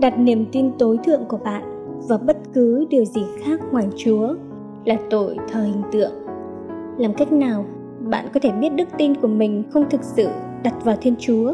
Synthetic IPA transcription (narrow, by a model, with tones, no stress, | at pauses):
ɗa˨˩t̚ni˧˩əmt̪i˧nt̪o˨˦jt̪ʰɨ̰˧˨əŋku˧˩əɓa̰ː˧˨n | vaː˨˩ɓə˦˥t̚kɨ˨˦ɗɨ˨˩əwzi˨˩xaː˦˥k̚ŋwaː˨˩jt͡ɕu˨˦ə | laː˨˩t̪o˧˩˨jt̪ʰəː˨˩hï˨˩ŋ̟t̪ɨ̰˧˨əŋ | laː˨˩mka˦˥jk̟̚naː˨˩w | ɓa̰ː˧˨nkɔ˨˦t̪ʰe˧˩ɓi˦˥ət̚ɗɨ˦˥k̚t̪i˧nku˧˩əmï˨˩ŋ̟xə˧wŋ͡mt̪ʰɨ˨˩k̚sɨ̰˧˨ | ɗa˨˩t̚vaː˨˩wt̪ʰi˧ənt͡ɕu˨˦ə